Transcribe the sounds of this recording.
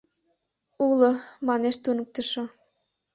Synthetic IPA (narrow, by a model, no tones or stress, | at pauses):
ulomɑneʃt̪unə̆k̚t̪ə̆ʃŏ